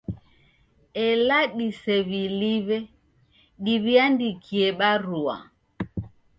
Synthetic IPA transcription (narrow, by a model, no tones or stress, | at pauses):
ɛlaɗisɛβiliβɛ | ɗiβiandikʰiɛɓaɾua̰